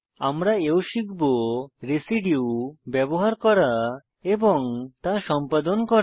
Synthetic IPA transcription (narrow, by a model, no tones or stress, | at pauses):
amɾaewʃiɡboɾesiɖiwbɛboɦaɾkɔɽa | ebɔŋt̪aʃɔmpad̪ɔnkɔ